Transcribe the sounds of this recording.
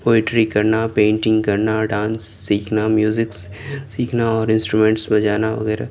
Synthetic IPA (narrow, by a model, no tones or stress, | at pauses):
poːɪʈɾikɐɾnapẽːɳʈɪ̃ŋɡkɐɾnaɖãːnsːiːkʰnamjuːzɪks | siːkʰnaɔːɾɪ̃nsʈɾumẽɳʈsbɐ̃d͡ʒaːnaʋɐ̰ɣɛːɾa̰